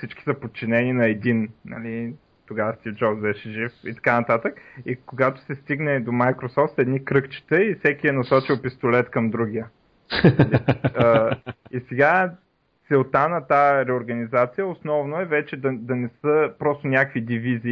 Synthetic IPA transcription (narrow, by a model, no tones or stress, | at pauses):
sit͡ʃki̥səpot̪̚t͡ʃːinɛninɐɛd̪innɐ̰li | t̪oɡavəst̪ifd͡ʒɔbzbɛʃɛʒifit̪ɐ̥kanɐt̪at̪əkikoɡat̪o̥sɛst̪iɡnɛd̪omajkɾosɔft̪ɛd̪nikɾɤkt͡ʃi̥t̪ɛifsɛkiɛnɐsɔt͡ʃilˠpist̪olɛt̪kɐmd̪ɾuɡ̟ijə | liəisɛɡa | t̪sɛlˠt̪anɐt̪aɾɛoɾɡɐnizat̪sijəosnɔvnoɛvɛt͡ʃɛd̪ɐd̪ɐnɛsəpɾɔst̪onʲakəvid̪iviziː